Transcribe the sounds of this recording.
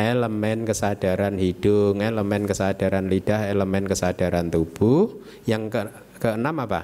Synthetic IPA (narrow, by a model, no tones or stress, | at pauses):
ʔeləmɛnkəsad̥a̤ɾanhid̥ʊŋeləmɛnkəsad̥aɾanlid̥aheləmɛnkəsad̥aɾant̪ub̥u | jaŋkə | kəənamapa̰